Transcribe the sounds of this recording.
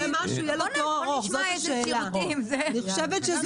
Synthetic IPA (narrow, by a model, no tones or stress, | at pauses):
maʃuijelot̪oʁaʁoχzotaʃeːlamzeniχo̥ʃevet̪ʃez